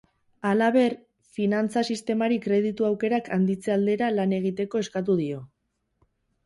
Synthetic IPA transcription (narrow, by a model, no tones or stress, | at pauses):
alaβ̞e̞ɾ | finant͡sasist̪e̞maɾikɾe̞ð̞it̪uawke̞ɾakand̪it͡seald̪e̞ɾalane̞ɣ̞it̪e̞ko̞e̞skat̪̬uð̞io̞